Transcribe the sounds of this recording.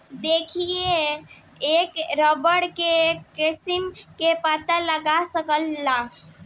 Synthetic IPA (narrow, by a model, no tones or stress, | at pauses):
d̪ekʰie | ekɾɔbəɽkeisimkepat̪ələɡasəkəlːa